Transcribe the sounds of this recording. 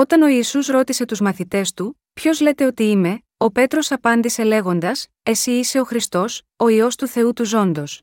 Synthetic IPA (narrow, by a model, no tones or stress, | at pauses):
o̞t̪ɐno̞iːsusɾo̞t̪ise̞t̪uzmɐθit̪e̞st̪u | pço̞zle̞t̪e̞o̞t̪iime̞ | o̞pe̞t̪ɾo̞sɐpɐnd̪ise̞le̞ɣo̞nd̪ɐs | e̞siːse̞o̞xɾist̪o̞s | o̞io̞st̪uθe̞ut̪uzo̞nd̪o̞s